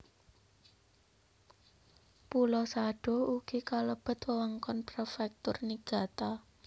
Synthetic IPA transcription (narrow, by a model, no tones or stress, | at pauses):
pulɔsaɖ̥o̤uɡ̥ikaləb̥ə̤t̪wəwaŋkɔnprefɛk̚t̪ʊrniɡ̥a̤t̪a